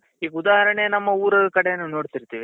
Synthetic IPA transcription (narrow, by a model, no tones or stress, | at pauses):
ɦiːɡud̪aːɦɐɾɐɳejɐnɐmːɐuːɾɐd̪ɐkɐɽejɐnːuno̞ːɽt̪iɾt̪iːʋi